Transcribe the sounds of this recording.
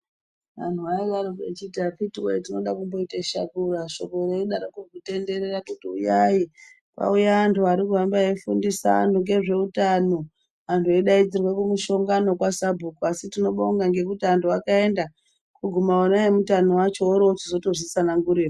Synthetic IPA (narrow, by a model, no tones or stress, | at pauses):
ʋan̤tuʋaiʋaɾokḛt͡ʃitapitiweitino̞ɗakumbo̞itaʃa̰kuraʃo̞ko̞ɾeiɗaɾokukute̞nde̞ɾerakutiṵjai | ka̰ujaʋantʰuaɾikuambaefundisa̰a̰ntuŋɡe̞ʐe̞utano̞ | ʋantʰueɗaid͡zirwekumuʃo̞ŋɡano̞kwasabʱukuasitino̞ɓouŋɡaŋɡe̞k̬utiantuakae̞nda | kuɡʱumaonaemutanowat͡ʃo̞oɾo̞t͡ʃizo̞toʐisanaŋɡuɾe